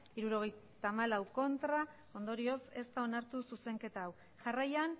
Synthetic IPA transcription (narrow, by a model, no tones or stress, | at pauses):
iɾuɾo̞ɣ̞e̞jt̪amalawko̞nt̪ɾa | o̞nd̪o̞ɾio̞se̞st̪ao̞naɾt̪ususe̞ŋke̞t̪aːw | ʝarajan